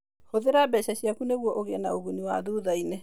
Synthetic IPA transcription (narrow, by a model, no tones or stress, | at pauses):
hoðeɾabɛɕaɕjakuneɣwɔʔoɣeɛnaoɣuniwa̰ðuðaine